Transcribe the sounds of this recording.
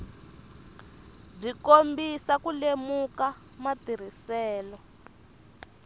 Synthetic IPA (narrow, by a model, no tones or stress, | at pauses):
b͡ʐikombisakulemuka | matiɾ̤isɛːlɔ